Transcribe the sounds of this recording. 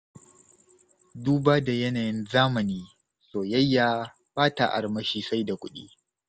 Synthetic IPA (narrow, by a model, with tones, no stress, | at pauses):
duː˦baː˦da˨jɐ˦naː˨jɪ˦nzaː˦mɐ˨niː˦ | soː˨jɐ˦jːaː˦ | b̥aː˦ta˨ʔa̰˨ɽmɐ˦ʃiː˦sa˦jda˨kʷʊ˦ɗḭː˦